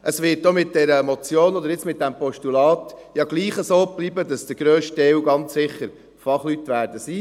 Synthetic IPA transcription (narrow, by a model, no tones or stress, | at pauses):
ʔəsʋɪt̚d̥omɪt̚d̥ɛɾəmɔt͡sjoːnɔd̪əɾjɪt͡smɪt̚dɛmpɔʃtulɑːtjɑɡ̥liːχəsoːb̥liːbədɑsd̥̪əɡ̥ɾøːʃtɛuɡɑnt͡ssɪχəɾ | fɑχlytʋæːɾdəsiː